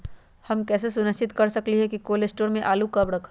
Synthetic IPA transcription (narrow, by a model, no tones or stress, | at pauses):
hɐmkɛːs̬esʊnəʃt͡ʃɪt̪kɐɾsɐkliɦɛkikoːlesʈoːɾmẽʔaːlukɐbɽɐkʰ